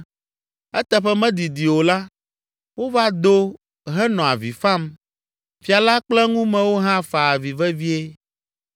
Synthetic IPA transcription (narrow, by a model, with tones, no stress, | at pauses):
ɛ˦t̪ɛ˦ɸɛ˦mɛ̃˦d̪i˨d̪i˨wo˨la˦ | wo˦va˦d̪o˦ | ɦɛ˦nɔ̃˨a˨vḭ˨fã˦m | fi˨a˨la˦k͡plɛ˦ŋũ˦mɛ̃˨wo˦ɦã˦fa˨a˨vi˨vɛ˦vi˦e˦